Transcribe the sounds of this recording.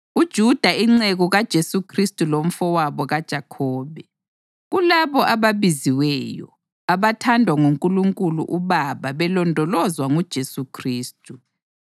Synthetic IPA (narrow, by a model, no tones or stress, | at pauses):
ud̥ʒ̥ʱud̥ʱaiŋ͡ǀeɣɔɣad̥ʒ̥ʱesukʰristʼulom̩fɔwaβɔɣad̥ʒ̥ʱakʰɔːβɛ | ɣulaβɔʔaβaβiziwɛjɔ̰ | aβatʰandʱwaŋuŋkʼuluŋkʼulṵʔuβaβaβɛlɔndʱɔlɔzwaŋud̥ʒ̥ʱesukʰriːstʼu